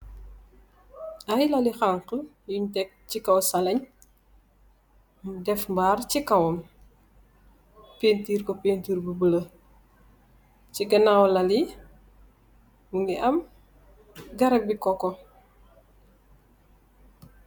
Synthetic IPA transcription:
ɐjlɐlixaŋqə | juɲtɛk̚cikɐwsɐlɐɲ | mdɛfmbaːrcikɐwɐm | peːntiːrkɔpentiːɾbubəlɐ | ciɡɐnawlɐli | muŋɡiʔɐm | ɡɐɾɐk̚bikɔkɔ

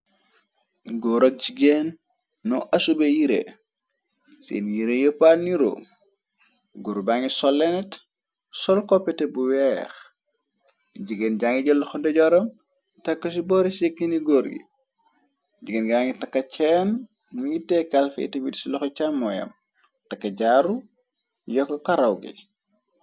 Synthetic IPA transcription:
ɡɔɾok̚ɟiɡenː | ɔʔɐsubejiɾḛ | sḛnjiɾejopaniɾo̰ | ɡuɾbaŋisɔlːɛnɛt | sɔlkɔpːɛtɛbuwɛx | ɟiɡenɟaŋɡiɟɐlɔxɔdɐɟɔɾɐm | tɐkːɐs̬ibɔːɾisekːiniɡɔɾɡḭ | ɟiɡenɡaŋɡitɐkːɐt͡ʃɛːn | miŋɡitɛkːɐlfɐ̰ḭtɐbidisilɔxɔt͡ʃamːɔjɐ̰m | tɐkːɐɟaɾu | jɔkːɐkɐɾɐwɡḭ

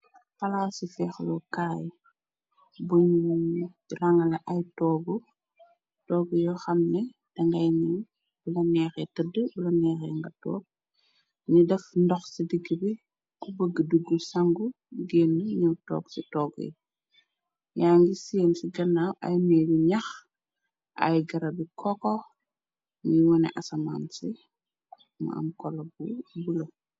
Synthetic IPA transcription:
pɐlaːsifɛxlɔkaːj | buɲu | lɐŋɐlɐʔɐjtɔːɡu | tɔːɡujɔxɐmnɛ | d̥ɐŋɡɐjni | bulɐnɛːxɛtədəbulɐnɛːxɛ̰ːŋɡɐtɔ̰ːk̚ | ɲidɛfndɔxsidiɡːəbi | kubəɡːəduɡːusɐŋɡu | ɡɛːnːɲiwtɔ̰ːɡsitɔːɡɛ̰ | jaːŋɡiseːnsiɡɐnːaɐ̰jmɛːliɲɐx | ʔɐ̰jɡɐɾɐbikʰɔkɔ | ŋiwɔnɛ̰ʔɐsɐma̰ːnsi | mɐ̰ɐ̰mkɔlɔbubulo

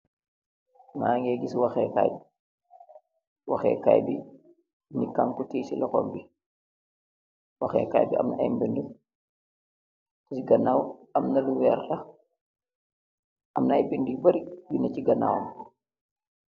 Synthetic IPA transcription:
maːŋɡɛɡiswɐxɛka̰jbi | wɐxɛ̰ka̰jbi | nikːaŋkutiːsḭlɐkɔ̰mbi | wɐxɛ̰ka̰jbiʔɐ̰mnɐʔɐ̰jmbəndu | tɐsiɡɐnːawɐmnɐluwɛɾɗɐ | ʔɐmnajbindibɐɾijunɐciɡɐna̰wɐ̰m

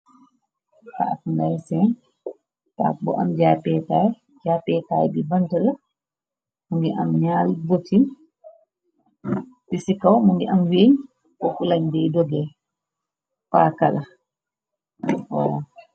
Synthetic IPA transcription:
ta̰ʔtndajsɛn | ta̰k̚bɔ̰ʔamd͡ʒaːpɛtaj | d͡ʒapɛtaːjbibantala | muŋɡɛʔa̰mɲalbotin | tisikawmuŋɡɛʔamweɲ | ʔɔfulaɲdɛjdɔɡɛl | faːkala | ɔ̰ɾa

